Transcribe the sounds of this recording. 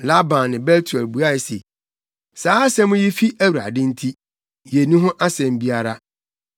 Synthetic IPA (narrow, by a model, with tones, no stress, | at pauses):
la˦bã˨nːɪ̃˨bɛ˦ltʰu˨ɛ˨lbu˨a˦ɪ˨sḛ˨ | saː˨˦a˦sɛ̃˦mʊ̃˦ji˦fi˦ʔæ˦wu˨ɾa̰˨dɪ̃˦n̩˦tʰi˦ | je˨nũ˦ɦʊ̃˦ʔa˦sɛ̃˨m˦bi˦a˦ɾa˦